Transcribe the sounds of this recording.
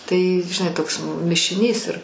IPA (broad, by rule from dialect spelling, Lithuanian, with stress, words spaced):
tɐɪ ʒʲɪˈnɐɪ ˈtoːks mʲɪʃʲɪˈnʲiːs ɪr